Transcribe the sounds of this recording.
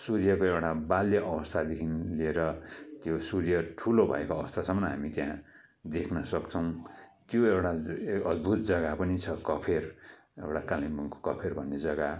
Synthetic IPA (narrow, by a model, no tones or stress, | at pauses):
surjʌkoewʈabaljʌʔʌbʌst̪ʰad̪ekʰinlieɾʌt̪josurjʌʈʰulobʱʌ̰ekoʌbʌst̪ʰasʌmʌnʌɦamit̪jã | d̪ekʰnʌsʌkt͡sʰʌw̃t̪joewʈaʌd̪̚bʱut̪̚d͡zʌɡapʌnit͡sʰʌkʌpʰer | ewʈakalimbʌŋko̥kʌpʰerbʱʌnːed͡zʌɡa